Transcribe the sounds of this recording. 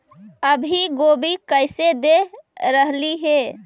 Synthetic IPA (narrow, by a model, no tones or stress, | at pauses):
əbʱiɡobikəɪsed̪eɾəɦliɦe